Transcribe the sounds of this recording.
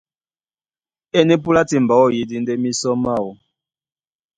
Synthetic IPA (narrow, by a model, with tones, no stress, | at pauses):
e˦ni˦pu˦la˦ti˨mba˨˦wɔ˦˨ji˨di˦nde˦mi˦sɔ˦ma˦˨wɔ˨